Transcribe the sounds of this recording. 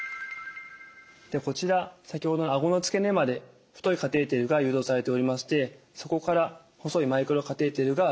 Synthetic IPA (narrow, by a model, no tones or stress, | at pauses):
d̪̥eko̞t͡ɕiɾasakʲiho̞d̪o̞naɡo̞no̞t͡sɨ̥ke̞ne̞mad̪e̞ | ɸɯ̟t̪o̞ikat̪e̞ːt̪e̞ɾɯ̟ɡajɯ̟ːd̪o̞ːsaɾe̞t̪e̞o̞ɾʲimaɕi̥t̪e̞ | so̞ko̞kaɾa | ho̞so̞imaikɯ̟ɾo̞kat̪e̞ːt̪e̞ɾɯ̟ɡa